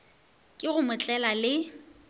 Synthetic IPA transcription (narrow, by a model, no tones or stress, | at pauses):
kʼɪɣʊmʊt͡ɬʼɛlalɪ